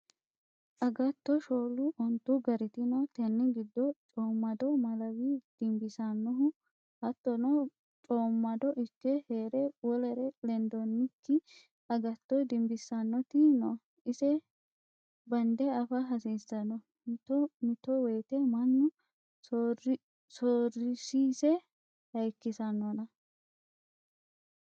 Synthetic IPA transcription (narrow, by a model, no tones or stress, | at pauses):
ʔɐɡɐt̪ːɔʃoːlʊʔɔnt̪ːʊɡɐɾɪt̪ɪnɔt̪ɛnːɪɡɪd̪ːɔt͡ʃʼoːmːɐd̪ɔmɐlɐwid̪̥ɪmbɪsɐnːɔɦʊ | hɐt̪ːɔnɔ | t͡ʃʼoːmːɐd̪ɔʔɪkːɛheːɾɛwɔlɛɾɛlɛnd̪ɔnːɪkːɪ | ɐɡɐt̪ːɔd̪ɪmbɪsːɐnːɔt̪ɪnɔ | ɪsɛ | bɐnd̪ɛɐfɐɦɐsiːsɐnɔ | t̪mɪt̪ːɔweːt̪ɛmɐnːʊ | soːrɪsiːsɛ | hɐjkːɪsɐnːɔnɐ